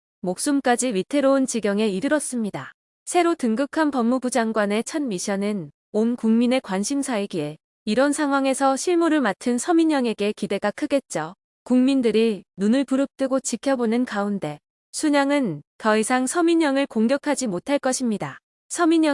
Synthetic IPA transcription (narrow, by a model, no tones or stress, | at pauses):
mok̚s͈umk͈ad͡ʑiɥitʰe̞ɾount͡ɕiɡjʌŋe̞iɾɯɾʌs͈ɯmɲida | sʰe̞ɾotɯŋɡɯkʰanpʌmːubud͡ʑaŋɡwane̞t͡ɕʰʌnmiɕʰʌnɯn | onkuŋmine̞kwanɕʰimsʰaiɡie̞ | iɾʌnsʰaŋɦwaŋe̞sʰʌɕʰiɭmuɾɯɭmatʰɯnsʰʌmiɲʌŋe̞ɡe̞kide̞ɡakʰɯɡe̞t̚t͡ɕ͈o | kuŋmindɯɾinunɯɭpuɾɯp̚t͈ɯɡot͡ɕikʰjʌbonɯnkaunde̞ | sʰuɲaŋɯnkʌisʰaŋsʰʌmiɲʌŋɯɭkoŋɡjʌkʰad͡ʑimotʰaɭk͈ʌɕʰimɲida | sʰʌmiɲ